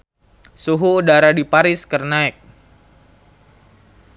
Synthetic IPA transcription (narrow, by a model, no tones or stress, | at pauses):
suɦuːdaɾadipaɾɪskərnaɛk̚